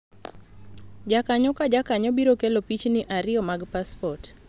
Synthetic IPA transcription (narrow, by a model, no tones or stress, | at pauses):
d͡ʒakaɲɔkad͡ʒakaɲɔbiɾokelopit͡ʃnɪʔaɾɪɔmaɡpaspɔt